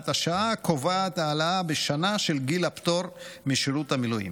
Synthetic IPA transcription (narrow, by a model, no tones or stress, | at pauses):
taʃaakovaat̪aːlaabeʃanaʃe̞lɡilapto̞ɾmiʃiɾuthamilujḭm